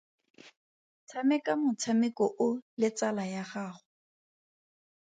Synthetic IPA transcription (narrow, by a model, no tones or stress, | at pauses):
t͡sʰamɛkamʊt͡sʰamɪkɔʔʊlɪt͡salajaχaːχʊ